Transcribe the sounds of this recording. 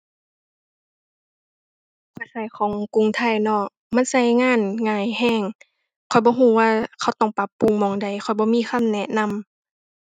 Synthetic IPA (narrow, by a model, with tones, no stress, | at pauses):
kʰɔ˧˩jsa˧˩jkʰɔː˨˦ŋku˧˨ŋt̪ʰa˧˩jnɔ˧˩ | ma˧˥˨nsa˧˩˨jŋaː˧˥˨nŋaː˧˩jhɛː˧˥˩ŋ | kʰɔ˨˩jbɔː˧˦ɦuː˧˩˦waː˧˨kʰa˧˩wt̪ɔ˧˩ŋpa˧˦pːu˧˨˦ŋmɔː˨˩ŋda˨˩jxʰɔ˨˩jbɔː˧˦miː˧˥˨xʰa˧˥˨mnɛ˧ʔna˧˥˨m